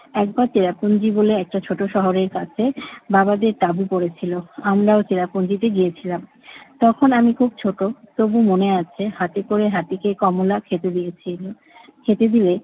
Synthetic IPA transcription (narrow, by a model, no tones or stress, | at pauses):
ɛk̚baɾt͡ɕeɾapond͡ʑiboleɛk̚ʈat͡ɕʰoʈoʃɔɦoɾeɾkat͡ɕʰebabad̪eɾt̪abupoɾet͡ɕʰiloamɾaot͡ɕeɾapond͡ʑit̪eɡijet͡ɕʰilam | t̪ɔkʰonamikʰub̚t͡ɕʰoʈot̪obumoneat͡ɕʰehat̪ekoɾeɦat̪ikekɔmolakʰet̪eii | kʰet̪ed̪ile